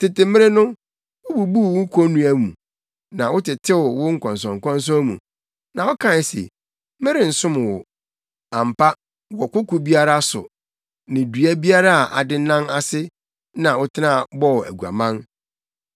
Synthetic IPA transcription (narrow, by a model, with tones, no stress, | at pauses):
tɪ˨tɪ˨mɪ̃˦ɾɪ˦nʊ̃˦ | wʊ˦bu˨bu˦˨w̩˦kʷʰɔ˦nũ˦æ˨mũ˨ | nã˨wʊ˦tɪ˨tʰɪ˦wʊ˨wʊ˦ŋ̩˦kʰɔ̃˨ns̬ɔ̃˨ŋ̩˨kʰɔ̃˦n˦s̬ɔ̃˦mṵ̃˨ | nã˨wɔ˦kʰã˨n˨sḛ˨ | mɪ̃˦ɾɪ˨n̩˨sʊ̃˦m˨wʊ˨ | ã˨m̩˨pʰa˦ | wɔ˨kʊ˦kʊ˨bi˦a˦ɾa˦sʊ̰˨ | nɪ̃˨du˨æ˦bi˦a˦ɾa˦a˨ʔa˨dɪ˦nã˦na˦sɪ˦ | nã˨wʊ˦tʰɪ˦nã˦˨bɔ˦˨æ̰˨ɡu˨a̰˨mã˦n